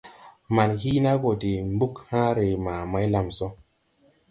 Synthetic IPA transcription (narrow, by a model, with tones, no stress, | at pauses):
ma˨nhi˦na˦ɡo˨de˨mbu˦khã˦ɾe˨ma˨ma˦jla˨mso˦